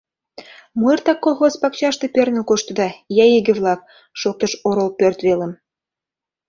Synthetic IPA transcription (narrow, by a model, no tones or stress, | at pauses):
muərt̪ɑkːolˠxospɑkt͡ɕɑʃt̪ĕpʲørnɘkoʃt̪ɤ̆d̪ɑjæjeɡɘ̆βlˠɑk̚ | ʃok̚t̪ɤ̆ʃoɾolpørt̪βelə̆m